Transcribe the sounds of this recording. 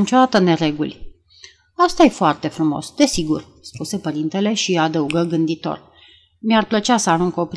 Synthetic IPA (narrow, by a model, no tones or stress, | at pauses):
nit͡ʃo̞d̪at̪əne̞ɾe̞ɡulʲ | ast̪ajefoart̪e̞fɾumo̞̰sd̪e̞siɡṵr | spuse̞pəɾint̪e̞le̞ʃiad̪əuɡəɡɨnd̪it̪o̞̰r | miarplət͡ʃeasəaɾuŋko̞pɾ